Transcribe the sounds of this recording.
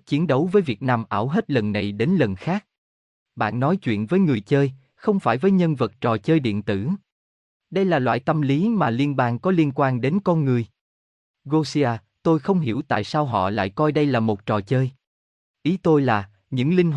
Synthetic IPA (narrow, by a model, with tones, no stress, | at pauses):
t͡ɕi˨˦ənɗə˨˦wvəː˨˦jvi˨˩ət̚naː˧mʔaː˧˩wɦe˦˥t̚lə˨˩nːa˨˩jɗe˨˦nlə˨˩nxaː˦˥k̚ | ɓa̰ː˧˨nːɔ˨˦jt͡ɕwḭ˧˨ənvəː˨˦jŋɨ˨˩əjt͡ɕəː˧j | xə˧wŋ͡mfaː˧˩jvəː˨˦jɲə˧nvə˨˩t̚t͡ɕɔ˨˩t͡ɕəː˧jɗḭ˧˨ənt̪ɨ̰˧˩ | ɗə˧jlaː˨˩lwa̰ː˧˨jt̪ə˧mli˨˦maː˨˩li˧ənɓaː˧nkɔ˨˦li˧ənkwaː˧nɗe˨˦nkɔ˧nŋɨ˨˩əj | ɣo˧si˧aː˧ | t̪o˧jxə˧wŋ͡mɦḭ˧˩əwt̪a̰ː˧˨jsaː˧wɦɔ̰˧˨la̰ː˧˨jkɔ˧jɗə˧jlaː˨˩mo˨˩t̚t͡ɕɔ˨˩t͡ɕəː˧j | ʔi˨˦t̪o˧jlaː˨˩ | ɲɨ̰˧˥ŋlï˧ŋ̟